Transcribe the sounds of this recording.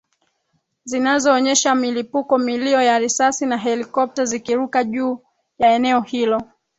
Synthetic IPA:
zinazɔːɲɛʃamilipukɔmiliɔjaɾisasinaɦɛlikɔp̚tazikiɾukaʄuː | jaɛnɛɔhilɔ

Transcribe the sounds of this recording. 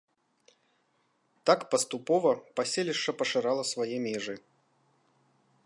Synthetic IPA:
t̪akpɐst̪upɔvɐpasʲelʲiʂt͡ʂɐpɐʂɨɾalˠɐsvajɛmʲɛʐɨ

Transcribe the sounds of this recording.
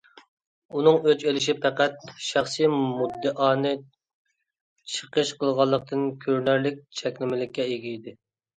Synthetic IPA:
unɨŋøt͡ʃelɪʃipʰæqæt̪̚ʃæχsijmud̪ːɨʔɑːnɨ | t͡ʃʰə̥qəʃqʰəlˠʁɑlˠːəq̚t̪ʰɨnkʲʰøɾnæɾlɪk̚ʲt͡ʃʰɛkʲlɪmɪlɪkʲːɛeɡʲiid̪ɪ

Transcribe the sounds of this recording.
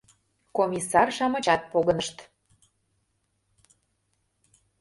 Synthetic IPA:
komʲisɑrʃɑmə̆t͡ɕɑt̪̚poɣə̆nəʃt̪

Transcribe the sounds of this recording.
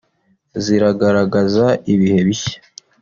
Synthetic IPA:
ziɾaɡaɾaɡazaiβihe̞βiçe̥

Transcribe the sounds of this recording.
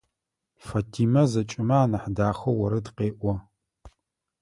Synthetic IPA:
fatʰiːmɐzɐt͡ʃʼɪmaaːnɐħdaːxɐwɐɾɨdqeːʔʷɔ

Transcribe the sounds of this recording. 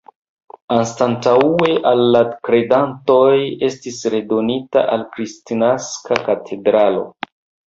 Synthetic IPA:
anstantaue̞ʔalːakɾe̞danto̞je̞stisɾe̞do̞nita̰ʔalkɾistinaskakatʰe̞dɾalo̞̰

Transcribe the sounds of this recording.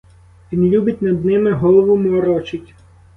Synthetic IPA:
ʋʲinlʲubʲɪtʲnɐd̪nɪmɪɦɔlˠɔʋʊmɔɾɔt͡ʃɪtʲ

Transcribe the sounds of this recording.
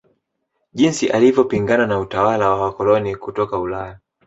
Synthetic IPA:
ʄinsiʔalivjɔpiŋɡananautawalawawakɔlɔnikutɔkaulaja

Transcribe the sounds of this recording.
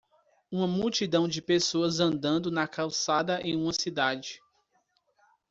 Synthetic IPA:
ũmɐmuwt͡ʃid̪ɐ̃w̃d͡ʒɪpesoɐzɐ̃nd̪ɐ̃nd̪ʊnɐkawsad̪ɐʔẽj̃ũmɐsid̪ad͡ʒɪ

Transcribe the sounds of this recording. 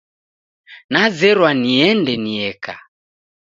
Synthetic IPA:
nazɛɾwaniɛndɛniɛka̰

